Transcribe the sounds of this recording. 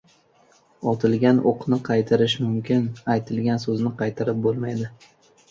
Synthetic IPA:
ɒt̪ʰɪlˠɡʲanʔoqʰnɪqʰɑjt̪ʰaɾɪʃ̬mʊmkʲʰɪnajt̪ʰɪlɡʲansɵznɪqʰɑjt̪ʰaɾɪp̚bolˠmajd̪ɪ

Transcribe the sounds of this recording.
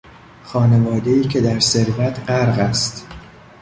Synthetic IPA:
xɒːnevɒːd̪e̞iːcʰe̞d̪æɾse̞ɾvæt̪ʰɢæɾɣæst̪

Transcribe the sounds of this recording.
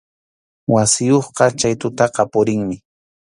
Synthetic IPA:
wasɪjoχqɑt͡ʃajt̪ʊt̪ɑqɑpʊɾɪŋmɪ

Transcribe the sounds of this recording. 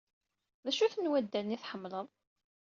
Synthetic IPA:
ðæʃuθənwæd̪ːænːiθħəmːləðˤ

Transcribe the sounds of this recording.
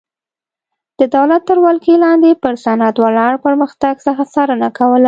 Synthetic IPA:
d̪̥əd̪awlat̪ːəɾwalkelɑnd̪epəɾsanat̪walɑɽpəɾməxt̪aɡsəxasɑɾənakawəla

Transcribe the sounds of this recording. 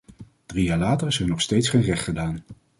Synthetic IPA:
d̥rijaːɹlaːtəɹɪsənɔχstejtsχejnrɛχtχədaːn

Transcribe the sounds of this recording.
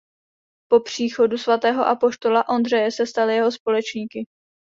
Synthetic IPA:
po̞pr̝̥iːxo̞dusvat̪ɛːɦo̞ʔapo̞ʃt̪o̞laʔo̞nd̪r̝ɛjɛsɛst̪alɪjɛɦo̞spo̞lɛt͡ʃɲiːkɪ

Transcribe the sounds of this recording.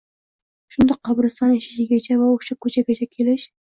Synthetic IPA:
ʃʊnd̪ɑqʰːɑbɾɨsɑneʃɪ̥ʃɪɡʲat͡ʃʰavaoʃakʰɵt͡ʃʰaɡʲat͡ʃʰakʲʰelɪʃ

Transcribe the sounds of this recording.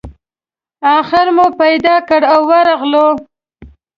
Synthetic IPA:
ɑxɪɾmopajd̪ɑkəɽawːaɾɑɣlo

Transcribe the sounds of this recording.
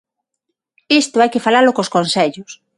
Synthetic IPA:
ist̪ʊajkɪfalalokoskonsɛʎʊs

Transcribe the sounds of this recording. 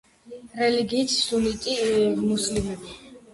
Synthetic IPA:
ɾɛliɡiːt̪ʰsulit̪ʼimuslimɛbi

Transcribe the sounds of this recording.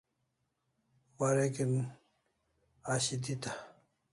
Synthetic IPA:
waɾekin | aɕid̪it̪a

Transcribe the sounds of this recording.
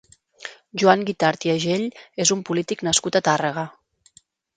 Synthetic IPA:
ʒuaŋɡit̪aɾt̪jəʒeʎezumpulit̪iknəskut̪at̪arəɣ̞ə

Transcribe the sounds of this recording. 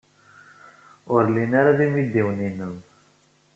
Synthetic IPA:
ʊɾlinaɾaðimid̪iwninən

